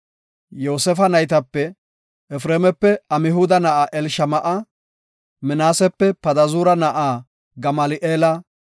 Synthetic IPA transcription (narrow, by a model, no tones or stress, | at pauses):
jo̞ːsɛfɐnɐjt̪ɐpːɛ | ɛfɾeːmɛpːɛɐmɪɦʊd̪ɐnɐʔaːʔɛlʃɐmɐʔɐ | mɪnaːsɛpːɛpɐd̪ɐzuːɾɐnɐʔaː | ɡɐmɐlɪʔeːlɐ